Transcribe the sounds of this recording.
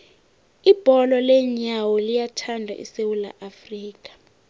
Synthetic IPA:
ib̥ʱɔlɔlɛɲawɔlijatʰandʱa̰ʔḭsewula̰ʔafriːk̬ʼḁ

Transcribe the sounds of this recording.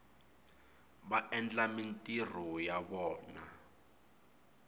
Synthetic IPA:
βaʔɛnd͡ɮamintʼir̤ujaβɔːna̰

